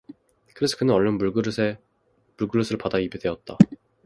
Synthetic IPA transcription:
kɯɾesʰɯ̥kʰɯnɯnʌɭːʌnbuɭɡɯɾsʰe | muɭɡɯɭːusʰɯɭpadaibede̞ʌt̚t͈a

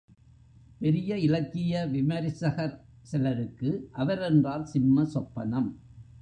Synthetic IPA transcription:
pɛɾɪjɐɪlɐkːɪjɐʋɪmɐɾɪsɐɣɐɾ | sɛlɐɾɯkːɯʔɐʋɐɾɛndraːlsɪmːɐsɔpːɐnɐm

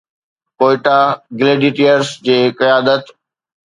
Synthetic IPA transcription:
koːɪʈaɡɪleːɖiːʈijəɾsd͡ʑeːkɐjaːd̪ət̪

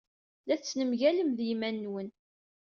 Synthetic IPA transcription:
læθt͡sːnəmʝæləmðjimænːwən

